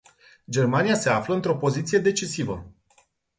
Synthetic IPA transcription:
d͡ʒe̞rmanijase̞afləɨnt̪ɾo̞po̞zit̪sije̞d̪e̞t͡ʃisivə

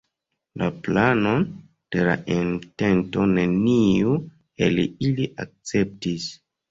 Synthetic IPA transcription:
laplano̞ | d̥e̞la̰ʔente̞nto̞ne̞niu | ḛliliʔak̚t͡se̞p̚tis

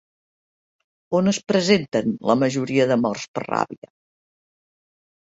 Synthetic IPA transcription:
onəspɾəzent̪ənləməʒuɾiəðəmɔrspərra̰βiə

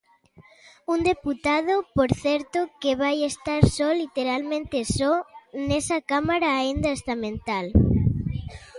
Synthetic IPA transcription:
und̪eput̪aðopoɾθɛɾt̪okeβajest̪aɾsɔlit̪eɾalmẽnt̪esɔnɛsakamaɾaːind̪ɐest̪amẽnt̪al

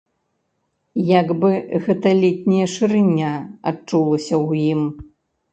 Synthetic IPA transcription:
jaɡbɨɣɛt̪ɐlʲit̪ʲnʲijɐʂɨɾɨnʲːaa̰t͡ʂulˠɐsʲɐwjim

